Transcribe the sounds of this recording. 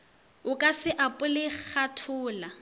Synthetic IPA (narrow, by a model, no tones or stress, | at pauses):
ʊkʼasɪʔapʼʊlɪk͡xʰatʰʊːla